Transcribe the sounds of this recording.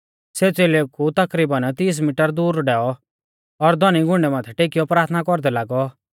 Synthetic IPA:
seːt͡seːlekut̪ɐkɾiːbənt̪iːs̬miʈəɾd̪uːɾɖɛːɔ | ɔɾd̪ʱɔniɡʱʊ̃ɳɖɛmãːt̪ʰɛʈeːkijɔpɾaːt̪ʰnakɔɾd̪ɛlaːɡɔ

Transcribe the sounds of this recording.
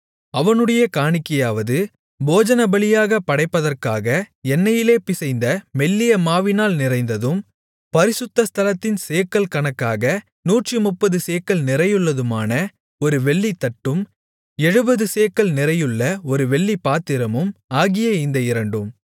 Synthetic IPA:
ɐʋɐnɯɽɐjɐkaːɳɪkːɐjaːʋɐðɯ | boːd͡ʒɐnɐbɐɭɪjaːɣɐpːɐɽɐɪpːɐðɐrkaːɣɐɛnːɐjɪleːpɪsɐɪnd̪ɐmɛlːɪjɐmaːʋɪnaːlnɪrɐɪnd̪ɐðɯm | pɐɾɪsɯt̪ːɐst̪ʰɐlɐt̪ːɪnseːkːɐlkɐɳɐkːaːɣɐ | nuːʈrimʊpːɐðɯseːkːɐlnɪɾɐjɯɭːɐðɯmaːnɐ | ɔɾɯʋɛɭːit̪ːɐʈːɯm | ɛɻɯbɐðɯseːkːɐɭnɪrɐjɯɭːɐɔɾɯʋɛɭːipːaːt̪ːɪɾɐmɯmaːɣɪjɐɪnd̪ɐɪɾɐɳɖɯm

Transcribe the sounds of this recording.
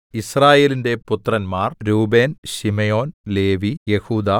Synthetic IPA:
israːje̞ːlinde̞put̪rɐnmaːrɾuːbe̞ːnɕimejo̞ːnle̞ːʋijehuːd̪aː

